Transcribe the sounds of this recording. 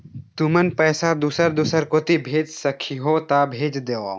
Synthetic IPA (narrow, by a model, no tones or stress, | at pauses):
t̪umənpɛːsad̪usəɾd̪usəɾkoːt̪ibʱeːd͡ʒsɐkʰiɦot̪aːbʱeːd͡ʒd̪eːʋa̰ː